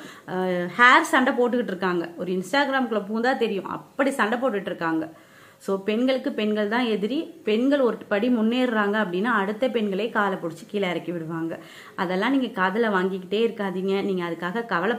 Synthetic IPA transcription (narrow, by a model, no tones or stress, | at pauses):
haːɾsɐɳɖɐpoːʈːɯkɪʈːɪɾɯkːaːŋɡɐɔɾɯɪnsʈaːɡɪɾaːmkːɯɭɐpuːnd̪aːt̪ɛɾɪjʊ̃ʔɐ̰pːɐɽisɐɳɖɐpoːʈ̬ːɯkɪʈːɪɾɯkːaːŋɡɐ | soːpɛɳɡɐɭɯkːɯpɛnɡɐɭt̪ãːɛðɪɾipɛnɡɐɭɔɾɯpɐɽimʊnːeːɾɾaːŋɡɐɐpːɐɽɪnːaːɐɽɯt̪ːɐpɛnɡɐɭeːkaːlɐpɔɽɯt͡ʃːɯkiːlɐɐɾɐkːɯʋɪɽɯʋaːŋɡɐ | ʔɐðɛlːãːniːŋɡɐkaːðɐlɐʋaːŋɡɪkːɪʈːeːɪɾɯkːaːðiːŋɡɐniːŋɡɐːðɯkːaːɣɐkɐʋɐlɐ